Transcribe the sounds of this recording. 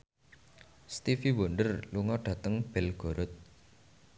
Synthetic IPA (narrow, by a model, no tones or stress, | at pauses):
st̪ifiwɔɳɖərluŋɔɖ̥a̤t̪əŋb̥ɛlɡ̥o̤ɾʊt̪̚